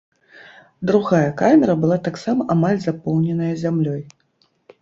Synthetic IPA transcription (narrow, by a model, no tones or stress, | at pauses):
d̪ɾuɣajɐkamʲɛɾɐbɨlˠat̪aksamɐʔamalʲzapɔwnʲɛnɐjɐzʲamlʲɔj